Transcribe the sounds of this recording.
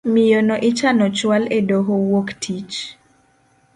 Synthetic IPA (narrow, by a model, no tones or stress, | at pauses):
mɪjonɔʔɪt͡ʃanɔt͡ʃwaledoɦowoktʰit͡ʃ